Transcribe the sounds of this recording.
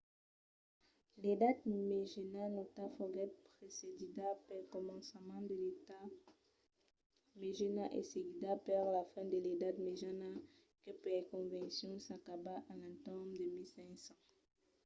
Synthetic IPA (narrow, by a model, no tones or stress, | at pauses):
led̪at̪meʒenanot̪afɔɡɛt̪̚pχesedid̪apɛkɔmɑ̃smɑ̃d̪əlet̪a | meʒenaʔḛseɡid̪apɛʁlafɛ̃d̪əled̪at̪meʒana | kəpɛkɔ̃vɛ̃sjɔ̃sakabaʔalãt̪ɔmd̪əmilsɛ̃ksɑ̃